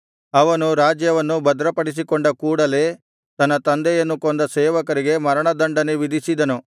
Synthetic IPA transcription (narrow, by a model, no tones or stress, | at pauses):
ɐʋɐnuɾaːd͡ʒjɐʋɐnːubɐd̪ɾɐpɐɽis̬ikoɳɖɐkuːɽɐle̞ː | t̪ɐnːɐt̪ɐnd̪ɛjɐnːukond̪ɐseːʋɐkɐɾiɡe̞mɐɾɐɳɐd̪ɐɳɖɐneʋid̪ʱisid̪ɐnu